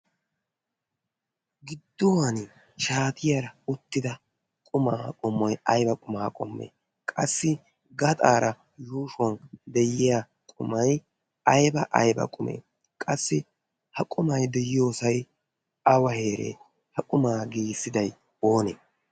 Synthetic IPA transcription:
ɡɪd̪ːɔwɐn | ʃaːt̪ʰɪjɐɾɐʊt̪ːɪd̪ɐ | kʼʊmaːkʼɔmːɔjɐjbɐkʼʊmaːkʼɔmːḛː | kʼɐsːɪ | ɡɐt̪ʼaːɾɐ | juːʃʊɐnd̪ɛjɪja | kʼʊmɐj | ɐjbɐʔɐ̰jbɐ̰kʼʊmḛː | kʼɐsːɪ | hɐkʼʊmɐjd̪ɛjɪjo̞ːsɐj | ɐwɐhe̞ːɾḛː | hɐkʼʊmaːɡiːsːɪd̪ɐj | o̞ːneː

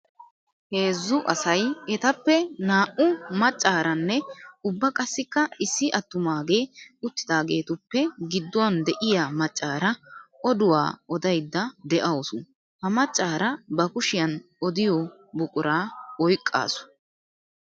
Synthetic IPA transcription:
he̞ːzːʊʔɐsɐjɛt̪ɐpːɛnaːʔʊmɐt͡ʃʼːaːɾɐnːɛʊbːɐkʼɐsːɪkːɐɪsːɪʔɐt̪ːʊmaːɡe̞ːʊt̪ːɪd̪aːɡe̞ːt̪ʊpːɛɡɪd̪ːʊwɐnd̪ɛʔɪjaːmɐt͡ʃʼːaːɾɐɔd̪ʊwa̰ːɔd̪ɐjd̪ːɐd̪ɛʔɐwsʊn | hɐmɐt͡ʃʼːaːɾɐbɐkʊʃɪjɐn | ɔd̪ɪjɔ | bʊkʼʊɾaːɔjkʼːa̰ːsʊ̥

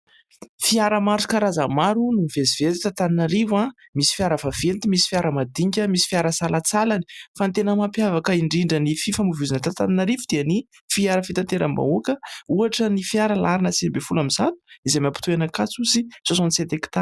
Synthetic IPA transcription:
fiaɾəmaɾt͡su̥kaɾazamaɾunuvezivelit̪at̪aninaɾivãmisi̥fiaɾəfav̥elt̪imisi̥fiaɾəmad̪iɲkʲəmisi̥fiaɾəsalat͡salani̥fant̪enəmapjavakəiɳɖ͡ʐiɳɖ͡ʐənififamuvuzinət̪at̪aninaɾivud̪̥eani | fiaɾəfit̪ant̪eɾəmba̰okəuaʈ͡ʂənifiaɾəlaɾinəsinibefulamiz̥at̪u̥izemʲapu̥t̪uenakat͡suzisosɔnset̪eki̥t̪a

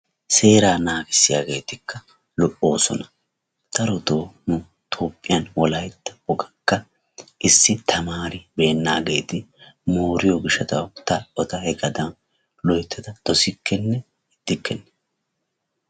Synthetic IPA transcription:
se̞ːɾaːnaːɡɪsːɪjaːɡe̞ːt̪ɪkʰːɐ | lɔʔo̞ːsɔ̰nɐ | t̪ɐɾɔt̪o̞ːnʊ | t̪ʰo̞ːpʼːɪjɐnwɔlɐjt̪ːɐbɔɡɐkːɐ | ʔɪsːɪt̪ʰɐmaːɾɪbe̞ːnːaːɡe̞ːt̪ɪmo̞ːɾɪjɔɡɪʃɐt̪ɐ̰wt̪ɐɔt̪ɐhɛɡɐd̪ɐ | lɔjt̪ːɛd̪ɐd̪̥ɔsɪkʰːɛnːɛ | ɪd̪̥ːɪkːɛnːɛ

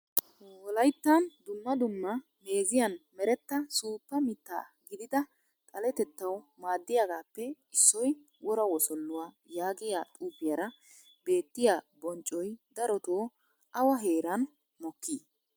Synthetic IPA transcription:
wɔlɐjt̪ːɐnd̪ʊmːɐd̪ʊmːɐ | meːzɪjɐnmɛɾɛt̪ːɐsuːpːɐmɪt̪ːa̰ːɡɪd̪ɪd̪ɐ | t̪ʼɐlɛt̪ɛt̪ːɐwmaːd̪ːɪjaɡaːpːɛ | ɪsːɔj | wɔɾɐwɔsɔlːʊwaː | jaːɡɪjaːt̪ʼuːpːɪjɐɾɐ | be̞ːt̪ːɪjaːbɔnt͡ʃʼːɔjd̪ɐɾɔt̪oː | ʔɐwɐɦe̞ːɾɐn | mɔkːiː

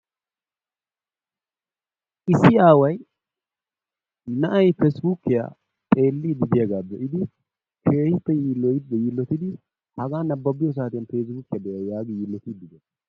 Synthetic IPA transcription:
ʔɪsːɪaːwɐj | nɐʔɐjfɛsbukːɪja̰ | t̪ʼeːlːɪd̪ɪd̪ɪjɐɡaːb̪ɛʔɪd̪ɪ | kʰeːɪpːɛjiːlːɔj̪jilːɔt̪ɪd̪ɪ | hɐɡaːnɐbːɐbɪjɔs̬aːt̪ɪjɐnfeːs̬bukːɪjɐd̪ɛjɐjaːɡɪjiːlːɔt̪ɪd̪ɪd̪ɛ

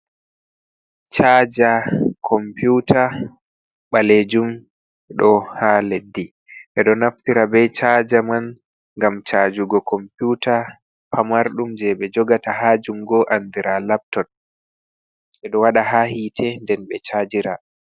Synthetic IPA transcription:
t͡ʃaːd͡ʒakʰɔmpjuta | ɓaled͡ʒum | ɗɔhaledːi | ʔɛɗɔnaftiɾabɛt͡ʃad͡ʒaman | ŋɡamt͡ʃaːd͡ʒuɡɔkʰɔmpjuta | pʰamaɾɗumd͡ʒɛɓɛd͡ʒɔɡataɦaːd͡ʒumɡɔʔandiɾalap̚tɔt̚ | ɓɛɗɔwaɗaɦahitʰɛndɛnɓɛt͡ʃad͡ʒiɾa

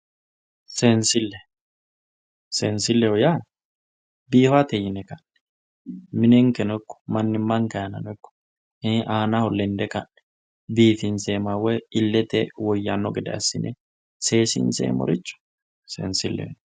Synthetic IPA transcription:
sɛnsɪlːɛ | sɛnsɪlːɛwɔja | biːhat̪ɛjɪnɛkɐnɛ̥ | mɪnɛŋkɛnɔkːɔ̥mɐnːɪmːɐŋkɐjɐnɐ̰nɔkːɔ̥ | hɛʔaːnahɔlːɛnd̪ɛkɐʔɛ̥ | biːfɪnsɛːmawɛɪlːɛt̪ɛwɔjːanːɔɡɛd̪ɛ̰ɐ̰sːɪ̰nʔɛ̰ | seːsɪ̰nsɛ̰ːmɔ̰ɾɪt͡ʃːʊ̥ | sɛ̰nsɪlːɛ̰w

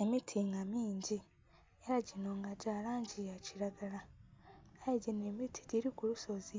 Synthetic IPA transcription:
emitʰiŋɡamiːɲɟi | eɾaɟinoŋɡaɟaːɾaːɲɟijaciɾaɡala | ajeɟinemitʰi̥ɟiɾikuɾuso̞zi

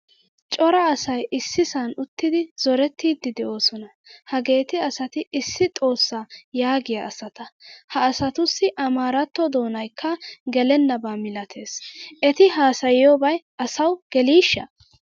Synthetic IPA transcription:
t͡ʃʼɔɾɐːsɐjɪsːɪsɐnʊt̪ːɪd̪ɪz̥ɔɾɛt̪ːiːd̪ːɪd̪ɛʔo̞ːsɔnɐ | hɐɡe̞ːt̪ɪɐsɐt̪ɪɪsːɪt̪ʼo̞ːsːaːjaːɡɪjɐʔɐsɐt̪ɐhɐːsɐt̪ʊsːɪʔɐmaːɾɐt̪ːɔd̪o̞ːnɐjkʰːɐɡɛlɛnːɐbaːmɪlɐt̪ʰe̞ːsʔɛt̪ɪɦaːsɐjɪjobɐjʔɐsɐwɡ̥ɛliːʃːɐ̰

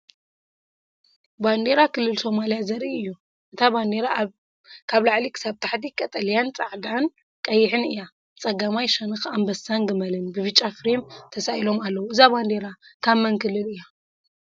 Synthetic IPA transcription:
band̪eɾakʰɨlːɨlso̞malijazɐɾʔiɨjːu | ʔɨt̪ʰaband̪eɾa | kʰaβlaʕlikʰɨ̥sabt̪ʰaħt̪ikʼɐt̪ʼɐljant͡sʼaʕd̪an | kʼɐjːɪħɨnɨja | t͡sʼɐɡamajʃɐnɨxambɐsaŋɡɨmɐlɨnbɨβɨt͡ʃʼːafɾemt̪ʰɐsaʔilo̞malːɐwuɨzaband̪e̞ɾakʰamːɐnkʰɨlːɨlɨja

